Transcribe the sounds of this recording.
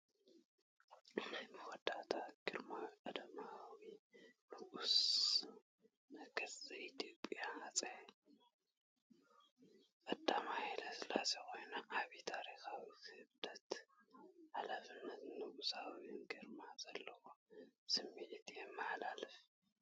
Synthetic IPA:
bwɔd̪at̪ʰaɡ̥ɨɾmawikʼɐd̪ɐmawinɨʔus | nɨɡɐzʼɨit̪ʰjo̞pʼjaːt͡sʼɐ | kʼɐd̪ːamajlasɨlazeko̞jnaʔaβit̪ʰaɾixawikɨhɨβd̪ɐt̪ | ʕalafɨnːɐt̪nɨʔusawinɡɨɾmazɐlːɐwosɨmːiʕit̪jɛmːɨħlalɨf

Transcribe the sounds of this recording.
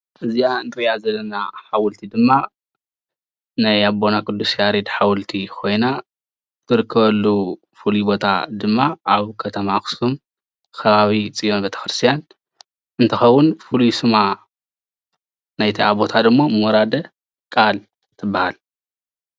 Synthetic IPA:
ʔɨziant̪ʰɨɾijazɐlːɐna̰ħawɨlt̪ʰid̪ɨmːa | najabo̞nakʰɨd̪ːusjaɾid̪ħawlt̪ʰikʰo̞jna | t̪ʰɨɾɨkʰːɐβɐlːu | fuluibo̞t̪ʰa̰d̪ɨmːaʔaβkʰɐt̪ʰɐmaxɨ̥sum | kʰɐβaβit͡sʼijo̞nbet̪ʰɐ̥xɾɨst̪ʰijan | ʔɨnt̪ʰɐxɐwːʊnfɨlujsɨma | najt̪ʰiaβo̞t̪ʰad̪ɨmːo̞mɨwɔɾad̪ɐ | kʼal | t̪ʰɨbːahal

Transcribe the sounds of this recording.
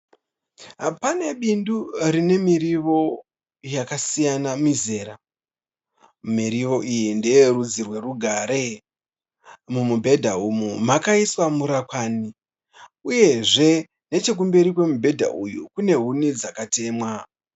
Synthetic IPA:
pane̞ɓindurine̞miɾiʋo̞ | jakasijanamize̞ːɾa | miɾiʋo̞ʔijindejeɾud͡zirwe̞ruɡʱaɾe | mumubʱe̞dʱaumumakaiswamuɾakwani | uje̞ʐe̞ | ne̞t͡ʃe̞k̬umbeɾikwe̞mubʱe̞dʱa̰ʔujukune̞ɦunid͡zakate̞ːmwa

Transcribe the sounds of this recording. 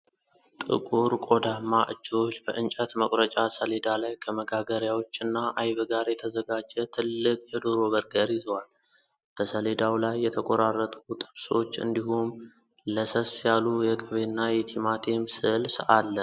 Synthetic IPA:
t̪ʼɨ̰kʼuɾkʼo̞d̪amːaʔɨt͡ʃːɪo̞t͡ʃːbəʔɨnt͡ʃʼət̪məkʼɾət͡ʃʼasəle̞d̪alajkʰəməɡaɡəɾjawo̞t͡ʃːɨnːaʔajβəɡaɾjɛt̪ʰəzəɡad͡ʒːɛt̪ʰɨlːɨkʼjɛd̪oɾo̞βəɾɡəɾjɪzwal | b̥əsəle̞d̪awlajːɛt̪ʰəkʼoɾarːət̪ʼut̪ʼɨβso̞t͡ʃːɨ̰nd̪iɦum | ləsəsjalujɛɡʼɨβenːajɛt̪ʰimat̪ʰemsɨlsalːə

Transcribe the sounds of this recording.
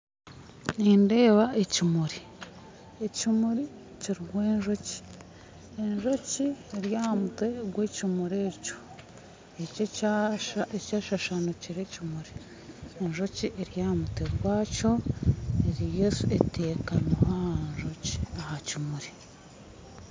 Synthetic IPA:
ninde̞ːβaʔecimuɾi | ecimuɾi | ciɾiɡwe̞ːnʒo̞ci̥ | e̞nʒo̞cieɾjaːhamute̞ɡweːcimuɾe̞co̥ | ece | ecaːʃaʃanociɾecimuɾi | e̞nʒo̞ciʔeɾjaːhmute̞ɡwaːco̞eɾijesue̞teːkanohahanʒoci̥ahacimuɾi

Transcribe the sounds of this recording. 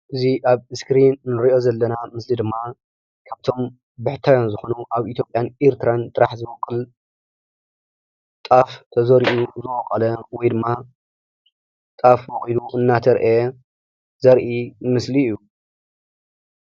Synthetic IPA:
ʔɨziʔaβɨskɾinnɨɾiʔo̞zɐlːɐnamɨslid̪ɨmːa | kʰaβt̪ʰo̞m | bɨħt̪ʰajonzɨxo̞nuʔaβit̪ʰjo̞pʼːjaneɾt̪ʰɨɾant̪ʼɨɾaħzɨmɐkʼːɨl | t̪ʼaft̪ʰɐzɐɾiʔuzɨwʼɐkʼɐlɐwɔjd̪ɨmːa | t̪ʼafbɐχʼiluʔɨnːat̪ʰɐɾʔe | zɐɾʔimɨsliːju

